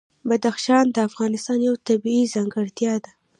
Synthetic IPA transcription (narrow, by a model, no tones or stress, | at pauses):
bad̪axʃɑnd̪əafɣɑnɪst̪ɑnjawt̪abiizɑŋɡəɽt̪jɑd̪a